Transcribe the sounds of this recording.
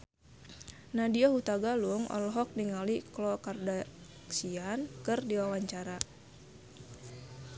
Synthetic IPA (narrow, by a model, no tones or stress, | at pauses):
nadiɔhut̪aɡaluŋɔ̰lɔɦɔk̚niŋaliklɔkarda | ksiankɨrdiwawaɲt͡ʃaɾa